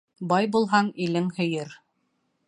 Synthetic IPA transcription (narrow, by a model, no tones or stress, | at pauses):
bɑjbulˠɦɑɴilɘŋhɵ̆jɘɾ